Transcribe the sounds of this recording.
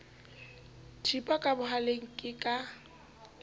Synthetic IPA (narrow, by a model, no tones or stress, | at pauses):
tʰipʼakʼabʊɦaleŋ̩kʼɪkʼa